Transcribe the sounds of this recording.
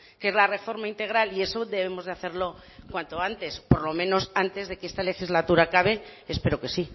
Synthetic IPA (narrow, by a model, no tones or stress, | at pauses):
kee̞zlare̞fo̞ɾmaint̪e̞ɣɾalie̞so̞ðe̞βe̞mo̞zðaθe̞ɾlo̞ | kwant̪oant̪e̞spo̞ɾlo̞mẽno̞sant̪e̞zð̞e̞keest̪ale̞xizlat̪uɾakaβe̞espe̞ɾo̞ke̞si